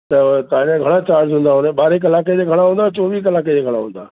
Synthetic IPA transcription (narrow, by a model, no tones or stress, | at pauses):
t̪ɐt̪ãːɲãɡʱɐɽ̃at͡ɕaːɾzɦʊ̃ːnd̪aɦõːnẽɓaːɾek̬ɐlaːk̬ed͡ʑeɡʱɐɽ̃aɦũːnd̪at͡ɕɔːʋiːkɐlaːk̬ed͡ʑeːɡʱəɽ̃aɦõːnd̪a̰ː